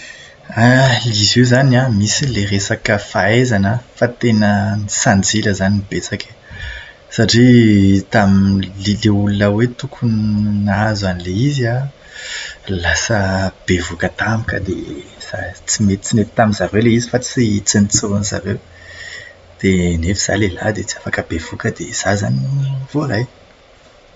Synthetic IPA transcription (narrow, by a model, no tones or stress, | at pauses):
alizezanamisileresakəfaezanəfat̪enənisand͡ziləzanibet͡sakʰe̥ | saʈ͡ʂit̪amilileulunəwet̪ukʰunnazanileiza | lasəb̥evukət̪amikə̰d̪ez̥a̰t͡simet̪i̥t͡simet̪i̥t̪amizaɾewleizifat͡sit͡sinit͡suɾuniza̰ɾew | d̪̥enefiz̥a̰lela̰d̪et͡siafakəbevukəd̪ḛz̥aza̰niv̥oɾaj